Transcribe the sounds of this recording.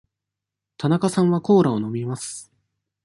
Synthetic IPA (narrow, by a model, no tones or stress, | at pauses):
t̪ʰanakasãɰ̃βako̞ːɾao̞no̞mʲimasɨ̥